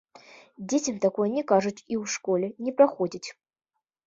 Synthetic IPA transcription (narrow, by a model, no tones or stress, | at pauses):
d͡zʲet͡sʲɛmt̪akɔjənʲɛkaʐut͡sʲiwʂkɔlʲɛnʲɛpɾaxɔd͡zʲit͡sʲ